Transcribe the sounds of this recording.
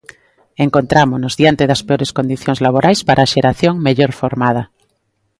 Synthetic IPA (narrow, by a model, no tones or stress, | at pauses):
eŋkont̪ɾamonozðjant̪eðaspeoɾeskond̪iθjoŋzlaβ̞oɾajspaɾʔaːʃeɾaθjoŋmeʎoɾfoɾmað̞a